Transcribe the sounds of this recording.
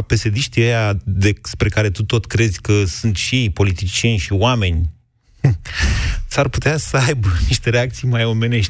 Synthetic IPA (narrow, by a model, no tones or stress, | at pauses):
pe̞se̞d̪iʃt̪iejad̪espɾe̞kaɾe̞t̪ut̪o̞t̪kɾe̞zʲkəsunt̪ʃiejpo̞lit̪it͡ʃie̞nʲʃioame̞nʲ | sarput̪easəajbniʃt̪e̞ɾe̞ak̚t̪sijmajo̞me̞ne̞ʃʲ